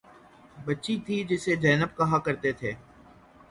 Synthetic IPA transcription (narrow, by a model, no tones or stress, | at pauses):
bətːʃit̪ʰid͡ʒɪsed͡ʒɛːnəb̚kɐɦakəɾt̪et̪ʰeː